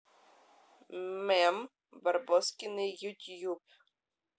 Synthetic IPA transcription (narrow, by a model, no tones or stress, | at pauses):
mɛm | barbɔskʲɪnɪjutʲjup